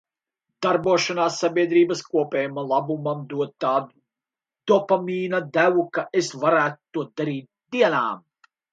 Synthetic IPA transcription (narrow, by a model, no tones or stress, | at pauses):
d̪aɾbuɔʃanaːsːabʲiɛd̪ɾiːbɐskuɔpʲɛːjumalˠabumamd̪uɔt̪ːaːd̪u | d̪̥ɔpamiːnad̪ævukaʔesvaɾæːt̪u̥t̪ːuɔd̪aɾiːt̪̚d̪iɛna̰ːm